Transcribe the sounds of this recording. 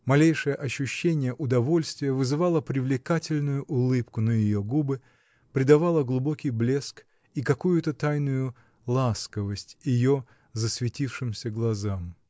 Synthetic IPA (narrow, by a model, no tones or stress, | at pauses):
mɐlʲejʂɨjəʔɐɕːʊɕːenʲɪjəʔʊd̪ɐvo̞lʲst̪vʲɪjəvɨzɨvalˠəpɾʲɪvlʲɪkatʲɪlʲnʊjʊʔʊlˠɨpkʊnəjɪjo̞ɡubɨ | pɾʲɪd̪ɐvalˠəɡlˠʊbo̞kʲɪjblʲe̞sk | ikɐkujʊt̪ət̪ajnʊjʊ | lˠaskəvəsʲtʲjɪjo̞ | zəsvʲɪtʲifʂɨmsʲəɡlˠɐzam